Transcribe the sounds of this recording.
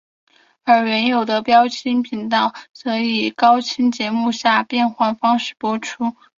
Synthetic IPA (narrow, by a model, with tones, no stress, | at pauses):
ə˞˧˥ɥɛ˧˥njo˨˩ʊd̪ə˦pjɑ˥ʊt͡ɕʰi˥npʰi˧˥ŋt̪ɑ˥˩ʊt͡sɤ˧˥i˨˩kɑ˥ʊt͡ɕʰi˥nt͡ɕjɛ˧˥mu˥˧ɕja˥˧pjɛ˥˧nxwa˥˩nfɑ˥ŋʂɻ̩˥˩pwɔ˥ʈ͡ʂʰu˥